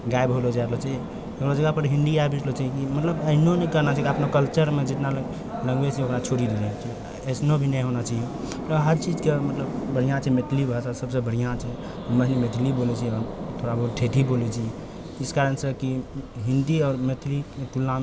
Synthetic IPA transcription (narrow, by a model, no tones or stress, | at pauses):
ɡaebɦolod͡ʒaeɾlot͡ʃʰa | okɾod͡ʒəɡapəɾɦĩnd̪iabʱit͡ʃlot͡ʃʰaɦkimət̪ləbəɦnonɛkəɾnat͡ʃʰaikiəpnokəlt͡ʃəɾmed͡ʒit̪nal | ləɡʋet͡ʃʰɛokɾat͡ʃʰoɾid̪elɛt͡ʃʰi | əsnobʱinɛɦonat͡ʃae | t̪ɔɦəɾt͡ʃid͡ʒkemət̪ləbbəɽ̤ijãt͡ʃʰɛmet̪ʰlibʱəsasəbsebəɽ̤ijãt͡ʃʰɛ | məɦnimet̪ʰlibolɛt͡ʃʰiɔɾt̪ʰoɾabʱəɦuʈʰet̪ʰibolɛt͡ʃʰi | iskaɾənsəkiɦĩnd̪iɔːɾmet̪ʰlit̪ulːãm